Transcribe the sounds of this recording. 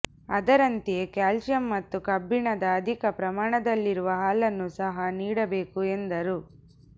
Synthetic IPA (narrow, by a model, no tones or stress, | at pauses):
ɐd̪ɐɾɐnt̪eekaːlsjɐmːɐt̪ːukɐbːiɳɐd̪ɐːd̪ʱikɐpɾɐmaːɳɐd̪ɐlːiɾuʋɐɦaːlɐnːusɐɦɐniːɽɐbe̞ːkuend̪ɐɾu